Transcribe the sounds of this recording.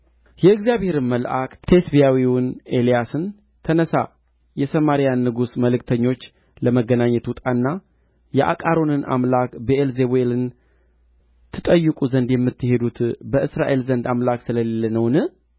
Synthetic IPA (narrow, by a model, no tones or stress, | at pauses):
jɛɨɡzijaβhe̞ɾɨnməlʔakʼt̪ʰe̞sbijawiwʊnelijasɨn | t̪ʰənəsa | jɛsəmaɾijanːɨɡusməlɨkt̪ʰəɲːo̞t͡ʃː | ləməɡənaɲːɛt̪ʊt̪ʼanːa | jɛʔa̰kʼaɾo̞nɨnʔa̰mlakbəʔelzeβelɨn | t̪ʰɨt̪ʼəjːɨkʼuzənd̪jɛmːɨt̪ːɨhe̞d̪ut̪bəʔɨsɾaʔe̞lzənd̪amlaksɨləle̞lːənəwnɨ